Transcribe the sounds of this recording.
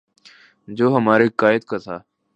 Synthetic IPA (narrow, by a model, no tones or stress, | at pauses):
d͡ʒoːɦəmaːɾekaːjɪd̪̚kat̪ʰaː